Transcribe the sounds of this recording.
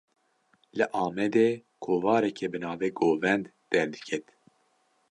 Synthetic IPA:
lɨʔɑːmɛd̪ekʰoːvɑːɾɛkʰɛbɨnɑːveːɡoːvɛnd̪ | d̪̥ɛɾd̪ɨ̥kʰɛt̪

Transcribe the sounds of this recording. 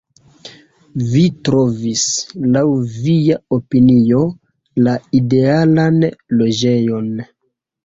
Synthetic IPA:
vitɾo̞vislawvijaopinio̞ | laide̞alanlo̞d͡ʒe̞jo̞n

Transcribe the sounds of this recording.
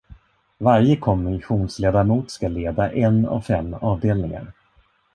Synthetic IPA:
vaɾjəkʰɔmːɪnɧuːnsleːd̪aɾmuːt̪skaleːd̪aʔɛnːa̰vfɛmːɑːvd̪eːlnɪŋa̰ɾ

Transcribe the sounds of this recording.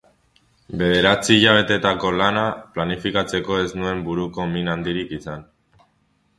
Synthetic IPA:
be̞ðe̞ɾat͡siːʎaβ̞e̞t̪e̞t̪ako̞lanaplanifikat͡seko̞e̞znue̞mbuɾuko̞minand̪iɾikisan

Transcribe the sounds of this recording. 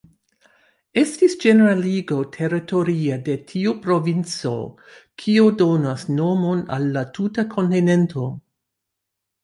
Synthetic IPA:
e̞stisd͡ʒe̞neɾaliɡotʰe̞ɾeto̞ɾiade̞tʰiupɾo̞vint͡so̞̰ | kʰiodonasno̞mo̞na̰lːatʰutakʰo̞ntine̞ntʰo̞

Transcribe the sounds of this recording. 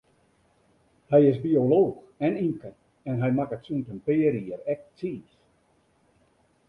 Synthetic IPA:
hɛjɪsbioloːx | ɛniŋkən | ɛnɦɛjmakətsuntəmpɪːəɾiərɛk̚t͡siːs

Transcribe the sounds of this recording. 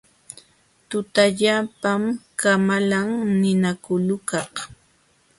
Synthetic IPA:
t̪ʊt̪aʎapamkamalaŋnɪnakʊlʊkɑh

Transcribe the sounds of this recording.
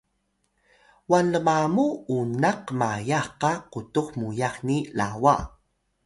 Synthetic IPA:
wanəmamuunaqmajaχqaqutuχmujaχnila̰wa̰

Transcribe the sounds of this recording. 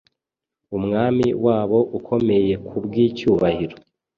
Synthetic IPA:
umŋaːmiwaːβo̞ʔukʰo̞me̞je̞kʰubɡiːcuːβahiɾo

